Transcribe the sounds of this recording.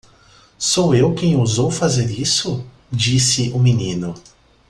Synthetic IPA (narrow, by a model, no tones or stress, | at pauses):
sowewkẽj̃uzowfazeɾisʊ | d͡ʒisɪʔʊminĩnʊ